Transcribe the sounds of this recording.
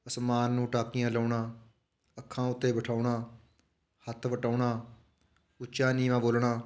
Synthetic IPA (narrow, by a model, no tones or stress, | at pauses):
əsmaːnːũːʈaːkijãːləʊɳãː | əkʰːãːʊt̪ːeːbəʈʰaːʊɳãː | hət̪ʰʋəʈaːʊɳãː | ʊːʃaːniːʋãːboːlɳaː